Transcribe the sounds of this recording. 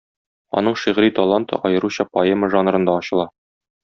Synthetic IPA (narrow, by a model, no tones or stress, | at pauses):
ɒ̰nɤɴʃiʁɾit̪ɒlˠant̪ɤ̰ʔɒjɤ̆ɾuɕɑpɐeməʒɑnɾɤ̆nd̪ɑɒɕɤ̆lˠɑ